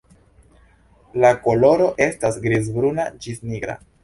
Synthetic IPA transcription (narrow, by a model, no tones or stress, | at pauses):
lako̞lo̞ɾo̞ʔe̞stasɡɾizbɾunad͡ʒisniɡɾa̰